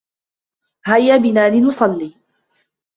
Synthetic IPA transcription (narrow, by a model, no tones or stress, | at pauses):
hajːabɪnaːlɪnʊsˤɑlːiː